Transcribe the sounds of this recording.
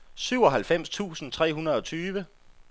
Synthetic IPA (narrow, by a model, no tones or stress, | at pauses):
syʊɒ̽ɦælfem̰st͡sʰṵːsn̩t͡sʰʁɛ̰ːɦunɐð̞̩ˠɒ̽t͡sʰyːʋə